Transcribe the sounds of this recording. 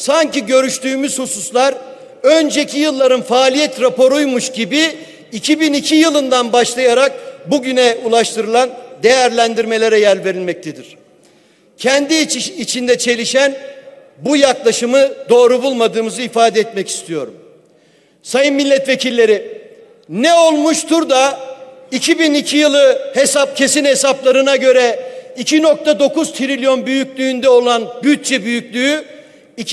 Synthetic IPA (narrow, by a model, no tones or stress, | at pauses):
saɲciɟø̞ɾyʃt̪ʰyːmyz̥hususlˠaɾ | ø̞nd͡ʒecʰijɯlˠːaɾɯnfaːlʲijɛt̪ɾapo̞ɾujmuʃɟibiː | cʰibinicʰijɯlˠɯnd̪anbaʃlˠajaɾak̚buɟynɛulˠaʃt̪ʰɯɾɯlˠand̪e̞jæɾlʲænd̪iɾme̞lʲe̞ɾɛjælʲve̞ɾilʲmɛc̚t̪ʰed̪iɾ̝̥ | cʰɛnd̪iit͡ʃʰind̪ɛt͡ʃʰe̞lʲiʃæn | bujaklˠaʃɯmɯd̪o̞ːɾubulˠmad̪ɯːmɯzɯifaːd̪ɛɛt̪mɛci̥st̪ʰijo̞̰ɾum | sajɯnmilʲːɛt̪ve̞cʰilʲːe̞ɾi | nɛo̞lˠmuʃt̪ʰuɾd̪aicʰibinicʰijɯlˠɯhesap̚cʰe̞sinhesaplˠaɾɯnaɟø̞ɾɛicʰino̞k̚t̪ʰad̪o̞kuz̥t̪ʰiɾilʲjo̞nbyjycʲlʲyːnd̪ɛo̞lˠanbyt̪̚t͡ʃɛbyjycʲlʲyy | i